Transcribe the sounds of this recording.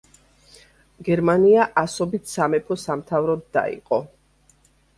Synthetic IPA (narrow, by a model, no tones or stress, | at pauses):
ɡɛɾmaniaʔasɔbit̪ʰsamɛpʰɔsamt̪ʰavɾɔd̪ːa̰ḭqʼɔ